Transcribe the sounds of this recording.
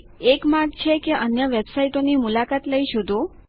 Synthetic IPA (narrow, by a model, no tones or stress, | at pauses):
ekmaɾɡ̚t͡ʃʰekeʔənjəʋebsaiʈonimulakat̪ləiʃud̪ʱo